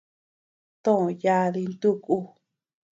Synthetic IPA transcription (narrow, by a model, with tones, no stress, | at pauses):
t̪õ˦˨ja˧ði˧nd̪u˦ku˧